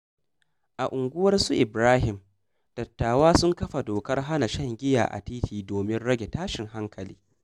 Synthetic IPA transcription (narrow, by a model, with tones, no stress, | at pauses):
ʔa˨ʔʊ˨ŋɡʷʊ˦wɐ˦rsuː˦ʔɪ˨bɾaː˦ɦɪ˨m | d̥ɐ˨tːaː˨waː˦sʊ˦ŋkɐ˦ɸa˨doː˨kɐ˦rɦa˦na˨ʃɐ˦ŋɡʲɪ˦ja̰ː˨ʔa̰˨tiː˦tiː˨doː˨mɪ˦nɽɐ˦ɡʲe˨taː˦ʃɪ˨ŋɦa˦ŋkʰɐ˨liː˦